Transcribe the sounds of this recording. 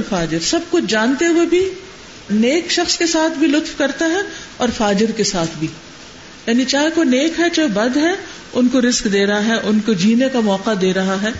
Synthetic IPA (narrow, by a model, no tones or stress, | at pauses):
faːd͡ʒɪɾsɐb̚kʊt͡ʃʰd͡ʒãːnt̪eɦuebʱi | neːkʃɐxskesaːt̪ʰbʱilʊt̪fkɐɾt̪aɦɛ | ɔːɾfaːd͡ʒɪɾkesaːt̪ʰbʱiː | jaːnit͡ʃaːɦekoneːkɦɛt͡ʃaːɦebɐd̪ɦɛ | ʊnkoɾɪzkd̪eːɾɐɦaɦɛʔʊnkod͡ʒʱiːnekamɔːqad̪eːɾɐɦaɦɛː